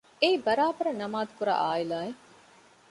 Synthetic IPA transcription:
eibɐɾaːbɐɾɐnɐmaːd̪kuɾa̰ːʔaːilaːe

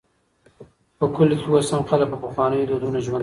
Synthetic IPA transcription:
pəkʊlikewasamxalak̚pəpəxwɑnəjod̪od̪unoʒwand̪

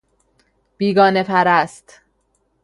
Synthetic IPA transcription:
b̥iːɡɒːne̞pʰæɾæst̪

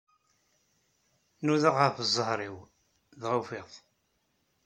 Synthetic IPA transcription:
nuðəʁəfzˤːəhɾˤiw | ðʁofɪðˤ

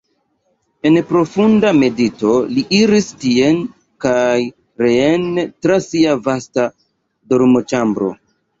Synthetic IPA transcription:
e̞npɾo̞fundame̞dito̞liʔiɾistie̞n | kaj | ɾeentɾasiavasta | doɾmo̞t͡ʃambɾo̞̰

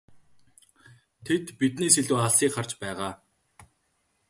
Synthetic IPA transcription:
t̪ʰet̪pit̪niːseɮuːχaɮsiːkχar̥t͡ɕpæːʁaː

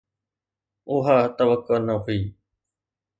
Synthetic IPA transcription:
ʊɦaːt̪əʋəkːʊnəɦʊiː

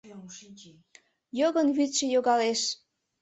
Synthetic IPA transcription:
joɣənβyt̪ʃĕjoɣɑleʃ

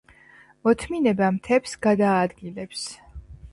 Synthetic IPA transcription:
mɔt̪ʰminɛbamt̪ʰɛpsɡ̥ad̪aːd̪ɡilɛps

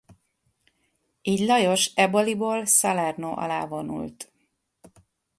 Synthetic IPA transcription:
iːɟlɒjo̞ʃɛboliboːlsɒlɛrnoːʔɒ̰la̰ːvo̞nṵlt̪

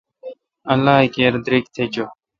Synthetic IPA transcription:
ɐlːaːikeːɾd̪ɾik̚t̪ʰeːt͡ɕo

